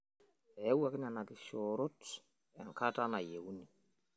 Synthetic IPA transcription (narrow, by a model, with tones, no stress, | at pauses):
ɛ˨˦wa˨kɪ˦na˨na˨kɪ˨ʃɔɾɔ˦t | ɛ˨ŋka˦ta˦na˨je˨wu˦ni˨